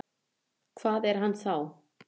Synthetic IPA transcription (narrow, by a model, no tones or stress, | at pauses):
kʰvaːðɛɾ̥ɦanːθaw